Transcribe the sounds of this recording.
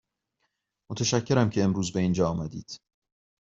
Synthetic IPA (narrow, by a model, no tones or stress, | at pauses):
mot̪ʰeʃæcʰːe̞ɾæmcʰe̞ːmɾuːzbe̞iːnd͡ʒɒːmæd̪ḭːd̪̥